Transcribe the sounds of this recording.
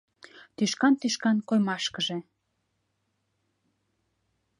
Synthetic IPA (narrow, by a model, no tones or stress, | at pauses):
t̪yʃkɑnt̪yʃkɑnkojmɑʃkəʒe